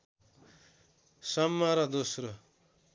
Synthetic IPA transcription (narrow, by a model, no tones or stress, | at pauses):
sʌmːaɾʌd̪osrʌ